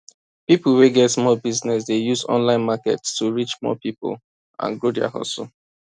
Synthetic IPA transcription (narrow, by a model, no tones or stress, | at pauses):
pipl̩weɡɛtsmɔbiznɛs̬dejuzɔ̰̃nlãɪ̃nmakɛ̰tstuɹit͡ʃmɔ̰pipʊ̰l | ã̰nɡɹodia̰hɔ̰s